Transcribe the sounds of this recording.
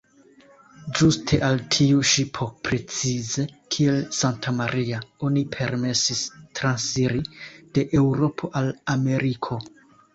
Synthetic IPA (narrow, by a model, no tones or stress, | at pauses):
d͡ʒustʰe̞ʔaltʰiuʃipʰo̞pɾe̞t͡size̞kʰie̞lsantʰamaɾʔiao̞nipʰe̞ɾme̞sistɾansiɾid̥e̞ʔe̞wɾo̞pʰo̞ʔalame̞ɾikʰo̞